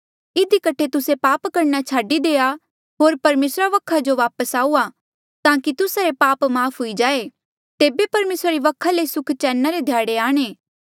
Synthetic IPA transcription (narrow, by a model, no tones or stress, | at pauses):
ɪd̪ʱikɐʈʰet̪ʊsepaːpkɐɾnat͡ʃʰaːɖid̪eːa | ɦoːɾpɐɾmeːsɾaʋɐkʰːad͡ʒoʋaːpəsaːuːa | t̪ãːkit̪ʊsaɾepaːpmaːpʰɦʊid͡ʒaːe | t̪eːbepɐɾmeːsɾaɾiʋɐkʰːalesʊkʰt͡ʃɛːnːaɾed̪ʱjaːɽeaːɽ̃eː